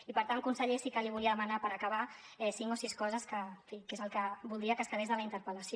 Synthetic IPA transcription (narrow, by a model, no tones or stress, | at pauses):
ipəɾt̪aŋkunsəʎesikəliβ̞uliəðəmanapəɾakaβa | ɛsiŋkosiskɔzəskəfikezəlˠkəbulˠd̪ɾiəkəskəβezðələint̪əɾpələsjo